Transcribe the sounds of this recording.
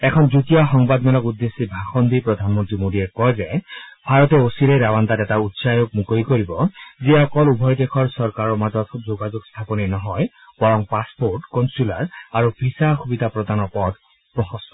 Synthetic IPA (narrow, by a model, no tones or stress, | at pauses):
ɛkʰɔnzutijaxɔŋbad̪mɛlɔkud̪ːesːibʱaxɔnd̪ipɹɔd̪ʱanmɔntɹimodiɛkɔjzɛbʱaɹɔtɛosiɾeɾawant̪atɛtautsajok̚mukojkoɹibɔziɔkɔlubʱɔjd̪ekʰɔɹsɔɹkaɹɔɹmazɔtzoɡazoɡst̪ʰapɔninɔɦɔj | b̥ɔɹɔŋpaspoɹʈkɔnsula̰ɹaɹupʰisaxubid̪ʱapɹɔd̪ʱanɔɹpɔd̪ | pɹɔxɔsɔ